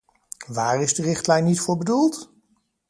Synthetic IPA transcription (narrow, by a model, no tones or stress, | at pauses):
ʋaːrɪzdərɪχtlɛjnːitfʊːɹbədulˠt